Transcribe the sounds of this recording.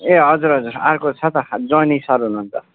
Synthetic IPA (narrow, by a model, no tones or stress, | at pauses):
eɦʌd͡zuɾɦʌd͡zuɾarkot͡sʰʌt̪ʌd͡zʌnisaɾɦunuɦːnt͡sʰʌ